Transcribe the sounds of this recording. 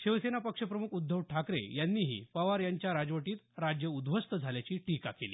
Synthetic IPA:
ɕiʋsenapəkʂəpɾəmukʰud̪ʱːəʋʈʰakɾḛjanːiːɦḭːpəʋaɾjaɲt͡ɕjaɾad͡zʋəʈiːt̪ɾad͡ʑjəud̪ʋəst̪əd͡zʱaljat͡ɕiːʈika̰keliː

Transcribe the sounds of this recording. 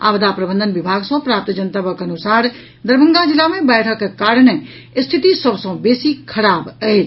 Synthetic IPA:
a̰ːʋd̪apɾəbə̃nd̪ʱənʋɪbʱaːɡsɐ̃pɾaːp̚t̪d͡ʒənt̪abəkənusaːɾ | d̪əɾbə̃ŋɡad͡ʒɪlːamẽbɛjʈʰəkːkaːɾne | st̪ʰit̪isəbsə̃beːsikʰəɾaːbəe

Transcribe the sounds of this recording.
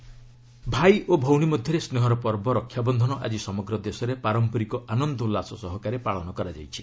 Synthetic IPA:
bʱajʔobʱɔwɽ̃imɔd̪ʱjɔɾesneɦɔɾɔpɔɾbɔɾɔkʰːjabɔnd̪ʱɔnɔʔa̰d͡ʒisɔmɔɡɾɔd̪esɔɾepaɾɔmpɔɾikɔʔanɔnd̪ɔlasɔsɔɦɔkaɾepaɭɔnɔkɔɾad͡ʒajt͡ʃʰi̥

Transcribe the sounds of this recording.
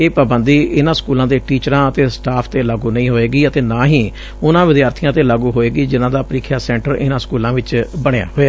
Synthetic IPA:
eːpəbənd̪iːʔɪnãːskuːlãːd̪eːʈiːt͡ʃəɾãːət̪eːsʈaːpʰt̪eːlaːɡuːnəĩːɦoːeːɡiːət̪eːnãːɦiː | ʊnãːʋɪd̪jaːɾt̪ʰijãːt̪eːlaːɡuːɦoːeːɡiːd͡ʒɪnãːd̪aːpɾiːkʰjaːsɛ̃ːɳʈəɾɪnãːskuːlãːʋɪt͡ʃbəɽ̃eja̰ːɦoːeaː

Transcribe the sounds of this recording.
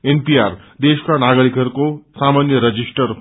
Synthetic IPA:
enpijar | d̪eskanaɡʌɾikɦʌɾukosamanjʌɾʌd͡zisʈʌr

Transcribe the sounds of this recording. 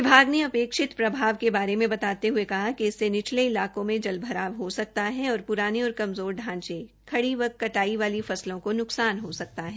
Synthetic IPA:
ɪbʱaːɡneɐpeːkʃɪt̪pɾɐbʱaːʋkebaːɾemẽbɐt̪aːt̪eɦuekɐɦakiɪsːenɪt͡ʃʰleɪlaːkõmẽd͡ʒɐlbʱɐɾaːʋɦosɐk̚t̪aɦɛɔːɾpʊɾaːneɔːɾkɐmzoːɾɖʱãːɲt͡ʃe | kʰɐɽiʋɐk̪kɐʈaːiʋaːlifɐslõkonʊksaːnɦosɐk̚t̪aɦɛː

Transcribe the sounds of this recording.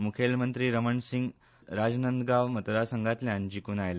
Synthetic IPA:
mukʰelmənt̪ɾiːɾəməɳsiŋɡ | ɾad͡znənd̪ɡaʋmət̪d̪asəŋɡat̪ljãnd͡ʑikuːnajle

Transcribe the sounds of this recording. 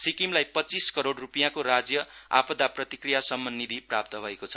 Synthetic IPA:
sikimlajpʌt͡siskʌɾoɽrupijãkoɾad͡zjʌa̰pʌd̪aprʌt̪ikrijasʌmːʌnːid̪ʱiprap̚t̪ʌbʱʌekot͡sʰʌ̥

